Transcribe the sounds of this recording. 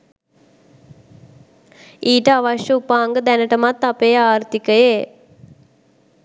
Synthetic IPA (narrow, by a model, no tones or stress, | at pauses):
iːʈɐɐʋɐʂjɐupaːŋɡɐd̪ɛnɐʈɐmɐt̪ːɐpeːaːɾt̪ikɐjeː